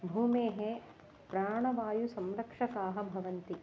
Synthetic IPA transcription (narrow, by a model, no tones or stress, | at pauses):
bʱuːmeːɦe | pɾaːɳɐʋaːjusɐmɾɐkʂɐkaːɦɐ̆bʱɐʋɐnt̪i